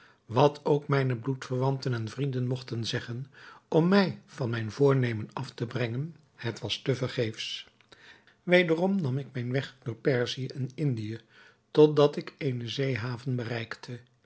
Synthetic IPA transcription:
ʋɑtʰowkmɛjnəblutfəɹʋɑntənɛnvrindənmɔχtənzɛχənʔɔmːɛjv̥ɑnmɛjnvʊːɹnejmənɑftəbrɛŋən | hətʋɑstəvəɹχejfs | ʋejdərɔmnɑmɪk̚mɛjnʋɛχdʊːɹpɛɹziəʔɪnɪndijə | tɔt̚dɑtɪkejnəzejɦaːvənbərɛjktʰə

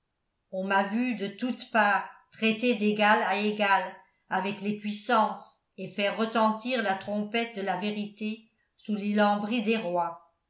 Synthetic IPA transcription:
ɔ̃mavyd̪ət̪ut̪paːʁt̪χet̪ed̪eɡalaeɡal | avɛklepɥisɑ̃s | efɛʁːət̪ɑ̃t̪iːʁlat̪χɔ̃pɛt̪̚d̪əlaveʁit̪e | sulilɑ̃bʁid̪eʁwa

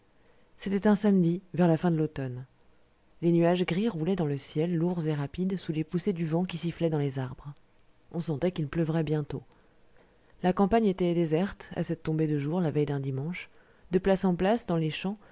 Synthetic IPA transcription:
set̪ɛt̪ɛ̃samd̪ivɛʁlafɛ̃d̪əlot̪ɔn | lenyaʒɡʁiʁulɛd̪ɑ̃ləsjɛlːuʁzeʁapid̪sulepused̪yvɑ̃kʲisiflɛd̪ɑ̃lezaʁbʁ | ɔ̃sɑ̃t̪ɛkilpləvʁɛbjɛ̃t̪o | lakɑ̃paɲet̪ɛd̪ezɛʁt̪a̰sɛt̪ːɔ̃bed̪əʒuʁlavɛjd̪ɛ̃d̪imɑ̃ʃ | d̪əplasɑ̃plasd̪ɑ̃leʃɑ̃

